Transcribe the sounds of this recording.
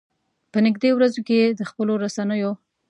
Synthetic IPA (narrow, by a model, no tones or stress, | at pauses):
pənɪɡd̪ewɾazoked̪əxpəloɾasanəjo